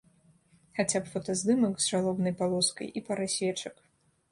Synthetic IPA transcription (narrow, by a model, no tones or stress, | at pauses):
xat͡sʲapfɔt̪ɐzd̪ɨmɐkzʂalˠɔbnɐjpalˠɔskɐ̰jʔipɐɾɨsʲvʲɛt͡ʂɐk